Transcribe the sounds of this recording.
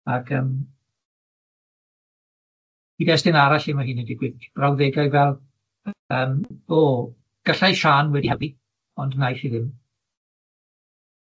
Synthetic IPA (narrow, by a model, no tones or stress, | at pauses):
aɡʰəːm | idɛsdɪnaɾaɬimaɦiːnidɪɡwɪðb̥rawðɛɡajvɛlˠ | əːmb̥oː | ɡ̥əɬajʃaːnwɛdihɛbi | ɔndnajθiðɪm